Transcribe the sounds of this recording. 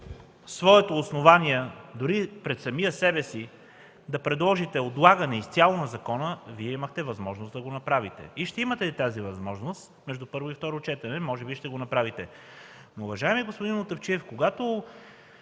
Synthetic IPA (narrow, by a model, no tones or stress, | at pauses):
svɔɛt̪oːsnovanʲiɛd̪ʊɾipɾɛt̪sɐmijəsɛbɛsi | d̪ɐpɾɛd̪lˠɔʒit̪ɛod̪lˠaɡɐnɛist̪sʲalˠonɐzɐkɔnəviɛiməxt̪ɛvɐzmɔʒnosd̪ɐɡonɐpɾavit̪ɛ̰iʃt̪ɛimɐt̪ɛit̪azivɐzmɔʒnost̪mɛʒd̪upɤɾvoift̪ɔɾot͡ʃɛt̪ɐnɛmɔʒɛbiʃt̪ɛɡonɐpɾavit̪ɛ | noːvɐʒaɛmiɛɡospʊd̪inʊt̪ɐft͡ʃiɛfkoɡat̪o